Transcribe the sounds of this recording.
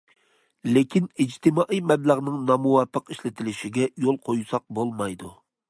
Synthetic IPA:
lekʲʰinid͡ʒt̪ʰɪmɑːʔijmɛbləʁnɨŋnɑmuwɑpʰːəqiʃlɪt̪ʰɪlɪʃɪɡʲɛjolˠqʰojsɑq̚bolˠmɑjd̪u

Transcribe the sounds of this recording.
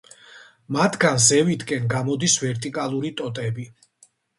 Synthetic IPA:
mat̪ʰɡanzɛvit̪ʰkʼɛnɡamɔd̪isvɛɾt̪ʼikʼalˠuɾit̪ʼɔt̪ʼɛbi

